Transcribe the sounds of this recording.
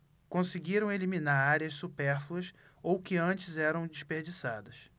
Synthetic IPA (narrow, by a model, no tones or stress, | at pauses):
kõsɪɡiɾɐ̃w̃eliminaɾaɾɪɐssupɛɾfluɐs | owkɪɐ̃t͡ʃɪzɛɾɐ̃w̃d͡ʒiʃpeɾd͡ʒisad̪ɐs